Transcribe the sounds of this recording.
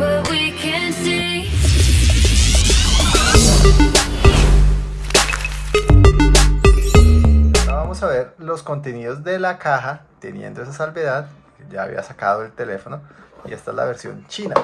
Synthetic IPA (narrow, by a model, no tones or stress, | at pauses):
wik | nsi | nonaβamosaβe̞ɾlo̞sko̞nt̪e̞niðo̞zd̪e̞lakaɦat̪e̞njḛnd̪o̞e̞s̬asalbe̞ðað | ed͡ʒaːβḭa̰sakaðoe̞lt̪e̞le̞fonoie̞st̪aela̰βe̞ɾsjo̞̰nt͡ʃina